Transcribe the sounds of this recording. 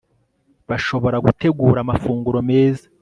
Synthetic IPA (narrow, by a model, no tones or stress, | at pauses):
βaʃo̞βo̞ɾaɡute̞ɡuːɾamafuːŋɡuɾo̞me̞ːzḁ